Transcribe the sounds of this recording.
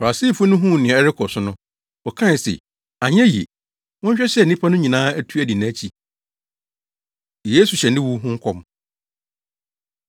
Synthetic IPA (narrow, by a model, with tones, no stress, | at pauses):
fa˨a˨si˦˨fʊ˦nʊ̃˦ɦũ˦˨nɪ̃˨ɛ˦ɾɪ˦kʰɔ˨sʊ˨nʊ̃˦ | ɔ˨kʰã˦˨sḛ˨ | a˨ɲ˦ɛ̃˦jḭ˨ | wɔ̃˦ɲ̩˦ɕᶣɛ˦ɕɛ˦˨n˨nĩ˦pʰa˦nʊ̃˦ɲĩ˨nãː˦æ˦tʰu˦æ˨di˨nã˦t͡ɕʰi˨ | jeː˦su˨ɕɛ˨nɪ̃˦wu˦ɦʊ̃˦ŋ̩˦kʰɔ˦m